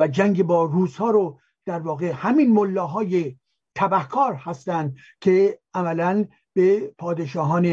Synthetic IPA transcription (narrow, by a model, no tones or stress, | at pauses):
væd͡ʒæŋɡebɒːruːzhɒːɾo | d̪̥æɾvɒːɣehæminmolːɒːɦɒːje | t̪ʰæbæhkʰɒːɾhæst̪ænd̪̚ | kʰeʔæmælæn | b̥epʰɒːd̪eʃɒːɦɒːne